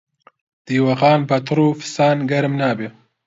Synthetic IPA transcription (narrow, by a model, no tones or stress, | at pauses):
d̪̥iːwɐɣɑːnbɐt̪ɨɾuːfi̥saːnɡɐɾmnaːbe